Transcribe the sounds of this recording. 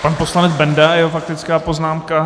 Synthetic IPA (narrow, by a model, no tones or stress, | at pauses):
panpo̞slanɛd͡zbɛndajɛɦofak̚t̪ɪt͡skaːpo̞znaːmka